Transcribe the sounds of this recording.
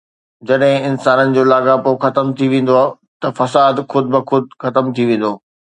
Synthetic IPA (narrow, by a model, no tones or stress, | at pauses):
d͡ʑɐɗɦɪ̃ɪnsaːnənɪ̆d͡ʑoːlaːɡapoxɐt̪əmt̪ʰiʋẽːn̆d̪oaː | t̪ɐfɐsaːd̪xʊd̪̚bɪxʊd̪̚xɐt̪əmt̪ʰiʋẽːn̆d̪oː